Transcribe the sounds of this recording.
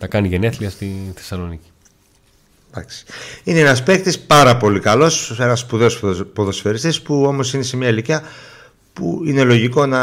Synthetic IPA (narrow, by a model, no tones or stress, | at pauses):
t̪ɐkɐniʝene̞θliɐst̪inθesɐlo̞nici̥ | d̪ɐ̰ksi̥ineenɐspe̞kt̪ispɐɾɐpo̞likɐlo̞se̞nɐsːpuðe̞ospo̞ðo̞sfe̞ɾist̪ispuo̞mo̞sinese̞mɲɐeliciɐ | pṵine̞lo̞ʝiko̞nɐ